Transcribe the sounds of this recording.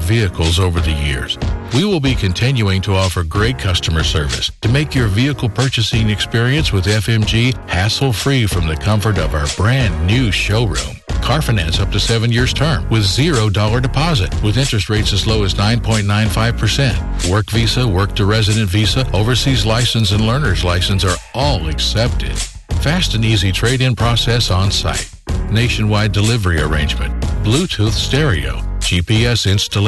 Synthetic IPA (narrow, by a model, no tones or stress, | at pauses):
viɨkl̩ˠzoʊvə˞ðɨjɪ̰ɹz̥wiwɪlˠbikʰɨ̃ntʰɪ̃njʉɪ̃ŋtʰəɔfə˞ɡɹeɪt̚kʰʌstəmə˞sɜ̰˞vɨ̰stʰɨmeɪkjə˞viɨkl̩ˠpʰɜ˞t͡ʃɨsɪ̃ŋɨkspɪɹiɨ̃nswɨðɛfɛ̃md͡ʒihæsl̩ˠfɹifɹʌ̃mðɨkʰʌ̃ɱfə˞ɾʌvaʊə˞bɹæ̃nnːʉʃoʊɹʉ̰̃mkʰɑɹfɨnæ̃nsʌp̚tʰɨsɛvɨ̃njɪɹz̥tʰɜ̃˞mwɨðzɪɹoʊdɔlˠə˞dɨpʰɑzɨ̰t̚wɨðɪ̃nt͡ʃɹ̥ɨst̚ɹeɪtsɨzloʊɨznãɪ̃npʰɔ̃ɪ̃nnãɪ̃nfaɪv̥pʰə˞sɛ̃nt̚ | wɜ˞kvisəwɜ˞k̚tʰɨɹɛzɨɾɨ̃ntvisəoʊvə˞sizlaɪsɨ̃nsɨ̃nlɜ̃˞nə˞zlaɪsɨ̃nsə˞ʔɔlˠɨksɛp̚tʰɪ̰d̥̚ | fæstɨ̃nizitʰɹ̥eɪɾɪ̃npʰɹ̥ɔsɛsn̩sa̰ɪt̚neɪʃɨ̃nwaɪdɨlɪvə˞iə̰˞ḛ̃ɪ̃nd͡ʒmɨ̰̃ntb̥lutʰuθstɛɹḭo̰ʊ̥d͡ʒipiɛsɪ̃nstəl